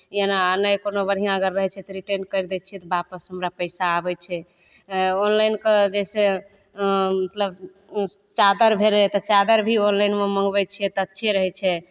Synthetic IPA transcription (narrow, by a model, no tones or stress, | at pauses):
jenanajkonobəɾɦijãəɡəɾːəɦɛt͡ʃʰɛt̪ɔɾiʈenkəjɾd̪ɛt͡ʃʰiɛt̪ɔbapəsɦəmɾapəɪsaːbɛt͡ʃʰɛ | onlajnked͡ʒɛse | mət̪ləb | t͡ʃad̪əɾbʱelɦɛt̪ɔt͡ʃad̪əɾbʱionlajnmemə̃ŋɡbɛt͡ʃʰiɛt̪ɔətːʃʰeɾəɦɛt͡ʃʰɛ